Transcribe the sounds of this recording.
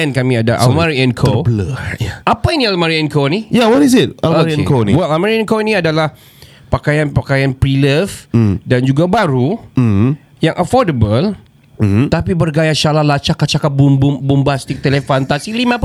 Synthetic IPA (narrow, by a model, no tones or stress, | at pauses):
ɛnkamĩadaʔa̰lmaɾiɛnkʰobləjaapainĩalmaɾiɛnkonijawɔtis̬ɪt̚alɾiɛnkoniwɛlalmaɾiɛnkonĩadalah | pakajanpakajanpɾiləfdand͡ʒuɡabaɾu | jaŋʔəfɔdəbəl | t̪apibərɡajaʃalahlat͡ʃakat͡ʃakap̚bumbumbumbast̪ik̚t̪elefant̪asilimãp